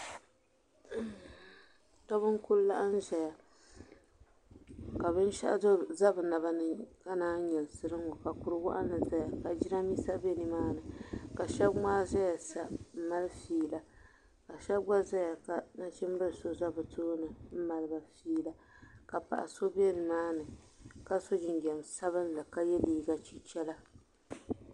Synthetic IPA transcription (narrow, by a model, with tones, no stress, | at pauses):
ta˦βɨ˦ŋkʊ˦lla˦ʔa˦n̩˦ʒɛ˨ja˨ | ka˨βɨ˦n˦ʃa˦zo˦za˦bɨ˨na˨ba˦nɨ˨ka˦naː˦ɲɛ˨lsɨ˦ɾɨ˦ŋɔ˨ka˨kʊ˨ɾɨ˦ɡʊ˦ʔa˦nɨ˨za˦ja˨ka˨d͡ʒi˦na˦mi˦sa˦be˦nɨ˨maː˦nɨ˨ka˨ʃɛ˦bŋ͡maː˦ʒɛ˦ja˨sa˨m̩˦ma˦lfiː˦la˦ | ka˨ʃɛ˦b̚ɡ͡ba˦za˦ja˨ka˨na˦t͡ʃɛ˦m˦bɨ˦ɨ˨so˦za˦bɨ˨tʰoː˦nɨ˨m̩˦ma˨lɨ˦ba˨fiː˦la˦ka˨pa̰˨ʔa̰˨so˦bi˦ɛ˦nɨ˨maː˦nɨ˨ | ka˦so˦d͡ʒɪ˨nɡɛ˨msa˦βɨ˦n˦la˨ka˦jɛ˦liː˦ɡa˦t͡ʃi˦t͡ʃɛ˦la˦